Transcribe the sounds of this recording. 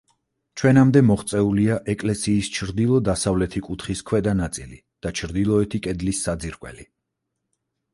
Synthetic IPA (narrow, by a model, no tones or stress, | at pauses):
t͡ʃʰwɛnamd̪ɛmɔχt̪sʼɛuliaʔɛkʼlɛsiːst͡ʃʰɾd̪ilˠɔd̪asavlɛt̪ʰikʼut̪ʰχiskʰwɛd̪anat̪sʼili | d̪̥at͡ʃʰɾd̪ilˠɔɛt̪ʰikʼɛd̪lisːad̪ziɾkʼwɛ̰li